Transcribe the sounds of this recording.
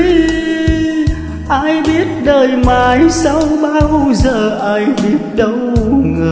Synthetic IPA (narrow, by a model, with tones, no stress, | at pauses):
ʔaː˧jɓi˦˥ət̚ɗəː˨˩jmaː˨˩jsa˧wɓaː˧wzəː˨˩ʔaː˧jɓi˦˥ət̚ɗə˧˦wŋɨ˨˩